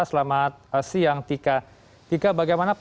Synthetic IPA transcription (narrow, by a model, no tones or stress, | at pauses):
asəlamat̪̚asijaŋt̪ika | t̪ikabaɡajmanap